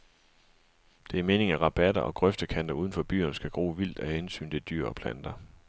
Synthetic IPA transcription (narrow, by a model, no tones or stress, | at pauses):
d̥e̝æɐme̝ːne̝ŋæʁɑ̈b̥æd̥ɐʔɒ̽ɡ̥ʁœfd̥əkʰæn̰d̥ɐuð̞ˠən̩fɒ̽b̥y̰ːɐnsɡ̥æɡ̥ʁṵːʋil̰d̥æhensy̰ːnt͡sʰe̝ld̥yɐ̰ɒ̽pʰlænd̥ɐ